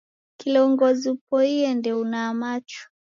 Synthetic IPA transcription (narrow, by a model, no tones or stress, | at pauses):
kilɔɔŋɡɔzipɔiɛndɛunaːmat͡ʃɔ̥